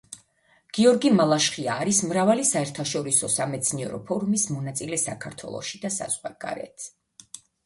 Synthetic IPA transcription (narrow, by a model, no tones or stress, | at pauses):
ɡ̥iɔɾɡimalˠaʃχiaːɾismɾavalisaɛɾt̪ʰaʃɔɾisɔsamɛt̪sʰniɛɾɔpʰɔɾumismɔnat̪sʼilɛsakʰaɾt̪ʰwɛ̰lˠɔ̰ʃid̪asa̰z̥ʁwaɡ̥a̰ɾɛ̰t̪ʰ